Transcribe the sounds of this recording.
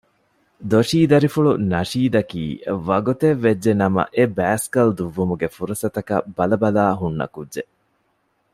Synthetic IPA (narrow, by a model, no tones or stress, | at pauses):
d̪oʃiːd̪ɐɾifuɭunɐʂiːd̪ɐkḭːʋɐɡut̪eʋːed͡ʒːenɐmɐ̰ʔebæːskɐld̪uʋːumuɡefuɾɐsɐt̪ɐkɐ̰bɐlɐbɐlaːɦunːɐ̰kudʒe